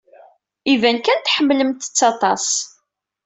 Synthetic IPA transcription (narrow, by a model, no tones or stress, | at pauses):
ivænkænt̪ħəmːləmt̪ə̥t͡sːɑt̪ˤɑs